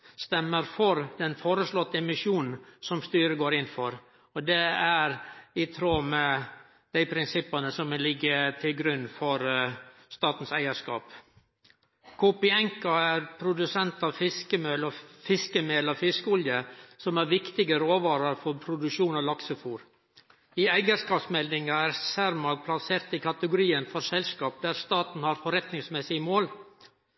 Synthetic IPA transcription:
st̪ɛmːəɾfɔɾd̪ɛnfoːɾəslɔt̪ːəɛmɪʂuːnn̩sɔmst̪yːɾəɡoːɾɪnːfɔɾ | ɔd̪ɛæɾɪt̪ʰɾoːmɛ | d̪̥æɪpʰɾɪnsɪpːɑnəsɔmlɪɡːət̪ʰɪlɡɾʉnːfɔɾst̪ɑːt̪n̩sæɪəʂkɑ̰ːp | kʰuːpɪɛŋkɑæɾpʰɾʊd̪ʉsɛnt̪ɑʋfɪskəmœlɔfɪskəmelɑʋfɪskəɔljəsɔmæɾʋɪkt̪ɪɡəɾoːʋɑːɾɑɾfɔɾpʰɾʊd̪ʉʂuːnɑlɑksəfuːɾ | ɪæɪɡəskɑːpsmɛld̪ɪŋɑæɾsæɾmɑɡ̚pʰlɑseːɾt̪ɪkʰɑt̪əɡʊɾiːənfɔɾsɛlskɑːp̚d̪æɾst̪ɑːt̪n̩hɑɾfɔɾɛt̪nɪŋsmɛsɪmoːl

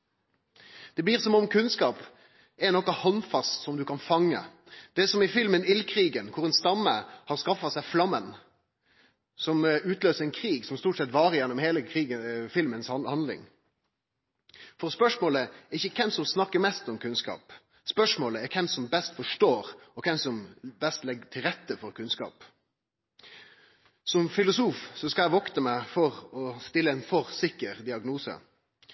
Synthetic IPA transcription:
d̪̥ɛbliːʁsɔmɔmkʰʉnskɑːp | ɛnɔkːəhɔnfɑst̪sɔmd̪ʉkɑnfɑŋːə̰ | d̪̥ɛsɔmɪfɪlmənɪlkʰɾiːɡənkʰʊʁɛnst̪ɑmːəhɑɾʁskɑfːɑsæɪflɑmːən | sɔmʉːt̪løːsəɾɛnkʰɾiːɡsɔmst̪uːʈsɛt̪ʋɑːɾəjɛnːɔmheːləkʰɾiːɡəfɪlmənshɑnlɪ̰ŋ | fɔʁspœʂmoːləɛʁɪçːəkʰɛmsɔmsnɑkːəɾmɛst̪ɔmkʰʉnskɑ̰ːp | spœʂmoːləɛɾkʰɛmsɔmbɛst̪fɔʂʈoːɾɔkʰɛmsɔmbɛst̪lɛɡət̪ʰɪlɾɛt̪ːəfɔɾkʰʉnskɑ̰ːp | sɔmfɪlʊsuːfsɔskɑæʋɔkt̪əmɛfɔʁɔst̪ɪlːəɛɪnfɔɾsɪkːəɾd̪ɪɑɡnuːsə̰

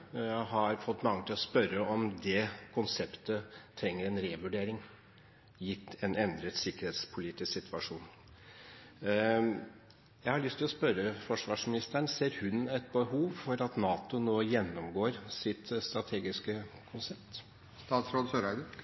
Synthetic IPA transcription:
ɦɑɾfɔt̪ːmɑŋːət̪ʰɪlɔspœɾəʔɔmd̪ɛkʰʊnsɛpt̪ət̪ʰɾɛŋːəɾɛnɾeːʋʉɖeːɾɪŋ | jɪt̪ːɛnɛnd̪ɾət̪sɪkːəɾheːt̪spʰʊliːt̪ɪsksɪt̪ʰʋɑʂuːn | jæɪhɑɭʏst̪ʰːɪlɔspœɾːəfɔʂʋɑːʂmɪnɪst̪əɳseːɾhʉnɛt̪̚bəhuːʋfɔɾɑt̪nɑːt̪ʊnoːjɛnːɔmɡoːɾsɪt̪st̪ɾɑt̪ʰeːɡɪskəkʰʊnsɛpt̪ | st̪ɑːt̪sɾoːd̪søːɾæd̪

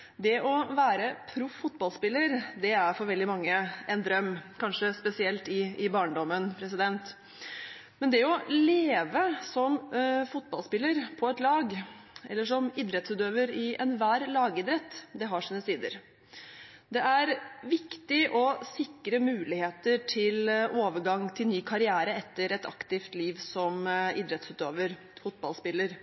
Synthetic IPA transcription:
d̪ɛʔɔʋæːɾəpʰɾʊfʊt̪bɑlspɪlːəɾd̪ɛæɾfɔɾʋɛld̪ɪmɑŋːəʔɛnd̪ɾœmːkɑnʂəspɛsɪɛlt̪ɪɪbɑːɳɖ̪ɔmːənpʰɾɛsɪd̪ɛnt̪ | mɛnd̪ɛɔleːʋəsɔmfʊt̪̚bɑlspɪlːəɾpʰɔɛt̪lɑːɡɛ̰lːəʂɔmiːd̪ɾɛt̪sʉːt̪øːʋəɾɪʔɛnʋæːɾlɑːɡɪd̪ɾɛt̪ːd̪ɛɦɑʂiːnəsiːd̪ə̰ɾ | d̪ɛʔæɾʋɪkt̪ɪʔɔsɪkɾəmʉːlɪheːt̪əʈʰɪloːʋəɡɑŋt̪ʰɪlnyːkʰɑɾɪæːɾəɛt̪ːəɾɛt̪ɑ̰kt̪ɪft̪liːʋsɔmiːd̪ɾɛt̪sʉːt̪øːʋəɾ | fʊt̪̚bɑlspɪlːəɾ

